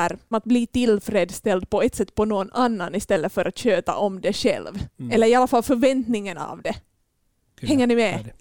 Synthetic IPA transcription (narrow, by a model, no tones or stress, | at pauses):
ɾat̪̚bliːt̪ɪlfɾeːd̪st̪ɛld̪̚pɔɛt̪sɛt̪ːpɔnonanːanɪst̪ɛlːəfœɾʔat̪ɕøːt̪a̰ʔɔmd̪ɛʂɛ̰lvɛlːəɾɪɑlːafalːfœɾvɛnt̪nɪŋːənɑ̰vd̪ɛ | hɛŋːəɳɪmɛ